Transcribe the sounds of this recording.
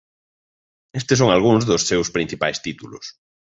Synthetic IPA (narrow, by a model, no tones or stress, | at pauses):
est̪ɪs̬oŋalɣ̞uŋzðʊssewspɾin̟θipajst̪it̪ulʊ̰s